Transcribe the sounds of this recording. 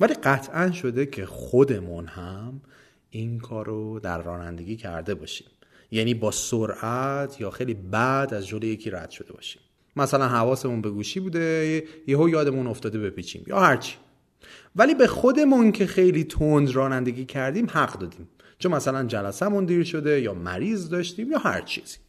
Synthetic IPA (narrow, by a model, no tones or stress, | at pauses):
væliːɢæt̪ʰʔænʃo̞d̪e̞cʰe̞xod̪e̞munhæm | inkʰɒːɾod̪æ̰ɾːɒ̰ːnæ̰nd̪e̞ɡʲiːcʰæ̰ɾd̪e̞bɒ̰ːʃi̥m | jæniːbɒːsoɾʔæt̪ʰjɒːxejlibæd̪æzd͡ʒomlejecʰiːɾæ̰d̪̥ʃo̞d̪̥e̞bɒ̰ːʃi̥m | mæsælænhævɒːse̞munbe̞ɡuːʃiːbuːd̪e̞jeɦojɒːd̪emuno̞ft̪ɒːd̪e̞be̞piːt͡ʃʰḭːmjɒ̰ːhæɾt͡ʃʰi̥ | væliːbexo̞d̪e̞muncʰe̞xe̞jliːt̪ʰond̪ɾɒːnænd̪e̞ɡʲiːcʰæɾd̪iːmhæɡd̪ɒːd̪iːm | t͡ʃʰomæsælænd͡ʒælæsæmund̪iːɾʃo̞d̪ejɒːmæ̰ɾiːzd̪ɒːʃt̪iːmjɒːhæ̰ɾt͡ʃʰi̥̰ːz̥i̥